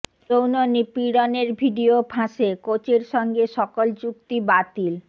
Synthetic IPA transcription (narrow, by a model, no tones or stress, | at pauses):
ownonipiɽoneɾbʱiɖiopʰãʃekot͡ɕeɾʃɔŋɡeʃɔkolt͡ɕuk̚t̪ibat̪il